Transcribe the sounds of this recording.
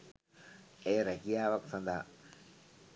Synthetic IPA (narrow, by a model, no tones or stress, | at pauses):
eːɾekijaːʋɐksand̪aː